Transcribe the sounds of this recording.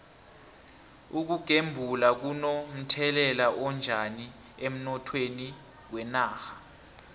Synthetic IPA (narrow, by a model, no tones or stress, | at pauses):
uk̬uɡ̥ʱembʱulak̬unom̩tʰɛlɛlaʔɔnd͡ʒʱani | em̩nɔtʰweni | wɛnaːxḁ